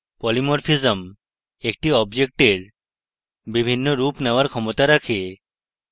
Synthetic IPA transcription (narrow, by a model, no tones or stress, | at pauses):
pɔlimoɾfizəm | ek̚ʈiɔbd͡ʑek̚ʈeɾ | bibʱinːoɾupneoaɾkʰɔmot̪aɾakʰe